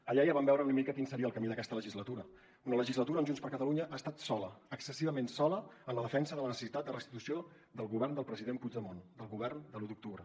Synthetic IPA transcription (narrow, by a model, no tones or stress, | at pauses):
əʎaiaβambɛwɾəunəmikəkinsəɾiəlˠkəmiðəkɛst̪ələʒizlət̪uɾə | unələʒizlət̪uɾənʒunspəɾkət̪əluɲəʔast̪at̪sɔləəksəsiβəmensɔləənləðəfɛnsəðələnəsə̥sit̪at̪d̪ərəst̪i̥t̪usio | d̪əlˠɣuβɛrnd̪əlˠpɾəziðempud͡ʒd̪əmond̪əlˠɣuβ̞ɛrnd̪əlut̪uk̚t̪uβɾə